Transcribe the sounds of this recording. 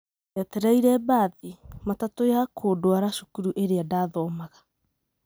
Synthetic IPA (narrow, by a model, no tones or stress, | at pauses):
ateɾajɾɛbaːðimatatojakʰoːdoaɾasu̥kuɾuʔeɾeadaːðɔːmaɣa